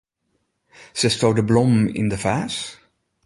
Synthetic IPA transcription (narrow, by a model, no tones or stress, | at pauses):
sɛstowdəblɔmɪ̰ndəfaːs